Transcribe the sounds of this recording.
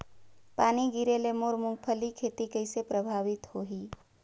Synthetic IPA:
paːniɡiɾelemoɾmũŋɡ̚pʰəlikʰet̪ikəɪsepɾəbʱaʋit̪hoɦi

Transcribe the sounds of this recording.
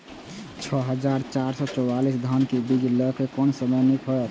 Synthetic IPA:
t͡ʃʰɔɦəd͡ʒaɾt͡ʃaɾsɔt͡ʃɔalisd̪ʱankibiɡləkekɔnsəmənikʰɦəɾ

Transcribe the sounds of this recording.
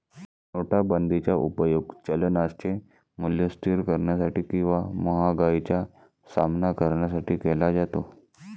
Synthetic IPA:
noʈabənd̪ʱit͡ɕjaʔupəjoɡt͡ɕələnast͡ɕe | muljəsʈ̪iɾkəɾɳjasaʈiːkĩw̃ʋaməɦaɡait͡ɕja | samnakəɾɳjas̬aʈiːkɛlad͡zat̪o

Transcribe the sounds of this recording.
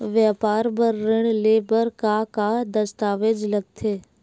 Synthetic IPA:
ʋjapaːɾbəɾːɪɽ̃leːbəɾkaːkad̪ɐst̪aːʋeːd͡ʒləɡ̚t̪ʰeː

